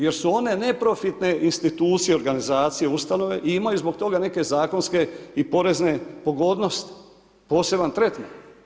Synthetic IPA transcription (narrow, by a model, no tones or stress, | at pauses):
je̞ɾsuo̞ne̞ne̞pɾo̞fit̪ne̞ʔinst̪it̪uːt̪sijeoɾɡanizaːt̪sijeust̪ano̞ʋe̞ʔiimajuzbo̞kt̪o̞ɡane̞ke̞zaːko̞nske̞ipo̞ɾe̞zne̞po̞ɡo̞ːd̪no̞st̪i̥ | po̞ːse̞bant̪ɾe̞t̪ma